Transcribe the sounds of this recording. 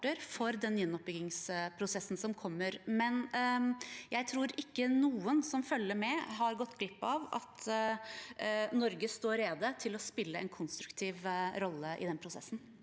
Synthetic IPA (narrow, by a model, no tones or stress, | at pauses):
ʈəɾfɔɾd̪ɛnjɛnːɔp̚bʏɡɪŋspʰɾʊsɛsːn̩sɔmkʰɔmːəɾmɛn | jæɪt̪ʰɾuːɾɪkːənuːənsɔmfœlːəɾmɛɦɑɾɡɔt̪ːɡlɪpːɑʋɑ̰t̪ | nɔɾɡəst̪oːɾeːd̪ət̪ʰɪlɔspɪlːəɛ̰nkʰʊnst̪ɾʉkt̪ʰiːʋɾɔlːəʔɪ̰d̪ɛnəpʰɾʊsɛ̰sːn̩